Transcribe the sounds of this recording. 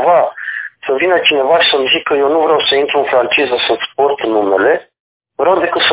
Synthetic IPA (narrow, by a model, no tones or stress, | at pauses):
vasəvinət͡ʃine̞vaʃi̥səmzikʰːəjewnuvɾeawsəint̪ɾuɨnfɾant͡ʃizəsəsport̪nume̞le̞ | vɾawd̪e̞kɨt̪sə